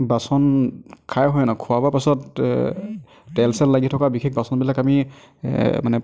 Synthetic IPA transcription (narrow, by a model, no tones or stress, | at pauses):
basɔnkʰajɦɔjnakʰuwabapasɔt | tɛlsɛlːaɡitʰɔkabikʰɛk̚basɔnbilakami | manɛ